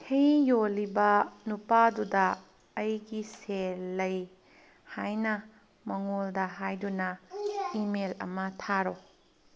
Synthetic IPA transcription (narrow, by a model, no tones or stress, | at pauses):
kʰejjolːibɐnupadudɐː | jɡiselɐj | hajnɐ | mɐŋoldɐɦajdunɐimelɐ̰mɐtʰaɾo